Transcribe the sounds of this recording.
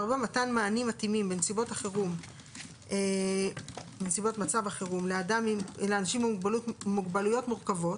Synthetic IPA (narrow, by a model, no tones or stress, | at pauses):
aʁbematanmaːnimatimimbensibo̞taχeʁum | e | bensibo̞tmat͡savaχeʁumleadamileanaʃimbeuɡbalutmuɡbalujo̞tmuʁkavo̞t